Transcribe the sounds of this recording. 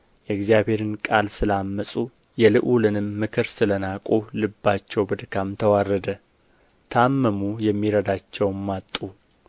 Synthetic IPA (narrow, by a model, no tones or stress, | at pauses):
jɛɨɡzijaβhe̞ɾɨnkʼalsɨlamːəsʼu | jɛlɨʔulɨnɨmːɨkʰɨɾsɨlənakʼulɨbːat͡ʃːɛwbɨd̪kʰamt̪ʰəwarːəd̪ə | t̪ʰamːəmujɛmːiɾəd̪at͡ʃːɛwmːat̪ʼːu